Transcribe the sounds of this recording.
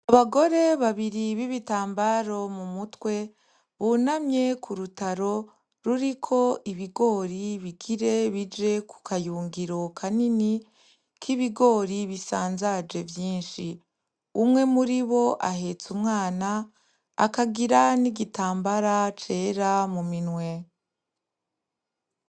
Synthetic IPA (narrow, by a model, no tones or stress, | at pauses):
aβaɡo̞ɾe̞βaβiɾiβiβitaːmbaɾo̞mumutwe̞ | βunamɲe̞kʰuɾutaɾo̞ | ɾuɾikʰo̞ʔiβiɡo̞ːɾiβiɡiɾe̞βid͡ʒe̞ku̥kajuːŋɡiɾo̞kʰanini | kʰiβiɡo̞ːɾiβisaːnzad͡ʒe̞vjiːnʃi | umŋe̞muɾiβo̞ʔaɦe̞t͡sumŋaːna | a̰kaɡiɾaniɡitaːmbaɾat͡ʃe̞ːɾamuminwe̞